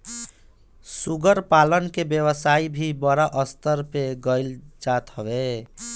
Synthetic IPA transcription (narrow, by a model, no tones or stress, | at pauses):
suɡəɾpalənkebjeβəsaibʱibəɾaʔəst̪əɾpeɡəɪld͡ʒat̪ɦəbe